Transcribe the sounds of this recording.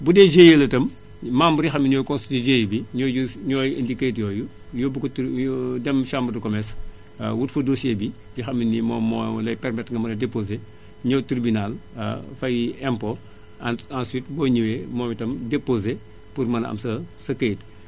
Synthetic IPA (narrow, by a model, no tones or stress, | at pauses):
budɛd͡ʒejelɐtɐm | mambɐɾjixɐmːiɲɔːjkɔ̃nstitid͡ʒejbiɲɔːuɲɔːjḛndiketjɔːju | jɔbukɔtdɛmʃambɐdɐkɔmɛs | wutfɐdosebi | jixɐmːinimɔːmːɔ̰lɐjpɛrmɛtŋɡɐmɐnɐdepoze | ɲɔwtiɾbinalɐ̰fɐjiɛmpɔ | ãnswit̚bɔːɲiwemɔːmitɐmdepoze | purmɐnɐ̰msɐsɐket